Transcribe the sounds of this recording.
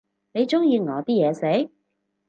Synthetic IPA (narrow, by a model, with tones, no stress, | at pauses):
ne˨˧jt͡sʊ˥ŋjiː˧ŋɔː˨˧t̪iː˥jɛː˨˧se˨˥j